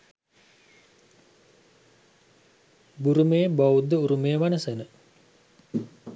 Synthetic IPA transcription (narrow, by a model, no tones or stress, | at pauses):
buɾumeːbaud̪əuɾumeːʋanəsenə